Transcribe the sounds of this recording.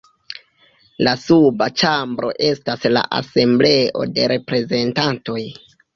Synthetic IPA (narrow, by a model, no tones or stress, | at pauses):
lasubat͡ʃambɾo̞̰ʔe̞stasla̰ʔa̰se̞mble̞o̞̰de̞ɾe̞pɾe̞ze̞ntanto̞j